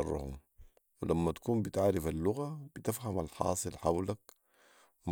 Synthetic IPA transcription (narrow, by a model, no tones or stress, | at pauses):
ɑrˤːɑ̰hṵm | wilamːat̪ḁkuːmbit̪ʕaːɾɪfalːʊɣab̥it̪afhamalħɑ̰ːsˤɨlħawlak | m